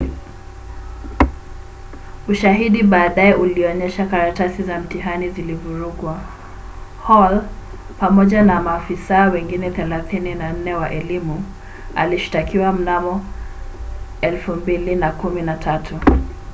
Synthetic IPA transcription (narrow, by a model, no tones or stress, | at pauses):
uʃaɦiɗiɓaːɗaɛʔuliɔɲɛʃakaɾatasizam̩tiɦanizilivuɾuɡwa | hɔl | pamɔʄanamaːfisaɔwɛŋɡinɛθɛlaθininan̩nɛwaʔɛlimu | a̰liʃi̥takiwam̩namɔ | ɛlfumbilinakuminatʰatʰu